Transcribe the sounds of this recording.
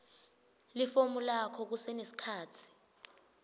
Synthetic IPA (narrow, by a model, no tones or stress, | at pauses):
lifomulakʰɔk̬usɛnesi̥kʰaːtʰi̥